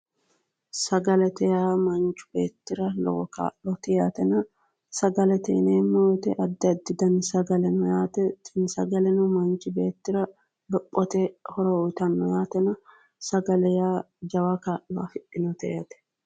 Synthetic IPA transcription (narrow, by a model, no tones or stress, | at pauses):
sɐɡɐlɛt̪ɛjaːmɐnt͡ʃːʊ̥b̥e̞ːt̪ːɪɾɐlɔ̰wɔka̰ːʔɔt̪ɪjaːt̪ɛnɐ | sɐɡɐlɛt̪ɛɪneːmɔːt̪ɛʔɐd̪ːɛɐd̪ːɪd̪ɐnsɐɡɐlɛnʊjaːt̪ɛtɪnsɐɡɐlɛnʊmɐnt͡ʃɪbe̞ːt̪ːɪɾɐ | lɔpʼːɔt̪ɛhɔɾɔjt̪ɐnːɔjaːt̪ɛnɐ | sɐɡɐlɛjaː | d͡ʒɐwɐkaːʔɔa̰fɪʔɪnɔt̪ɛjɐt̪ɛ̥